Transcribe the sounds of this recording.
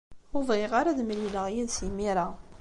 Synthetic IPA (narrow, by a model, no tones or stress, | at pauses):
ʊvʁeʁaɾaðmliləʁjæðsimiɾa